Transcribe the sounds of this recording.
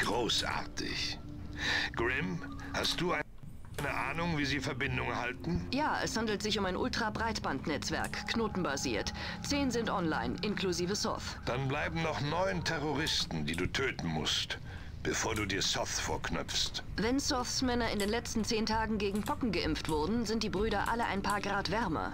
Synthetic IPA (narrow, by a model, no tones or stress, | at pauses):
ɡ̥ʁoːsʔa̰ɐtʰɪ̰ç | ɡ̥ʁɪm | hast̚d̥uːa | nəʔaːnʊŋviːziːfɛɐbɪndʊŋɛɐhaltn̩jaːʔɛ̰shandl̩tz̥ɪçʊmaɪnʔʊltʁ̥abʁaɪtb̥antnɛt͡sv̥ɛɐkkʰːnoːtn̩baziːɐt | t͡seːnzɪntʔɔnla̰ɪnʔɪnkluziːvəsɔ̰θd̥anblaɪbm̩nɔχnɔʏəntʰɛʁoʁɪstn̩diːduːtʰøːtn̩mʊ̰st | b̥əfoːɐduːdiːɐsɔθfoːɐkʰnœ̰pp͡ffst | vɛnsɔθsmɛnɐɪndeːnlɛt͡stn̩t͡seːntʰaːɡŋ̩ɡeːɡŋ̩pʰɔkŋ̩ɡəʔɪmftv̥ʊɐdn̩zɪnt̚d̥iːbʁyːɾɐʔaləʔa̰ɪnpʰaːɐɡʁaːtv̥ɛɐmɐ̰